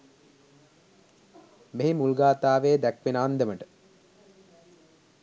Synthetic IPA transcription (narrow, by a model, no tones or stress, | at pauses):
meɦimulɡaːt̪aːʋeːd̪ækʋenaːnd̪eməʈə̥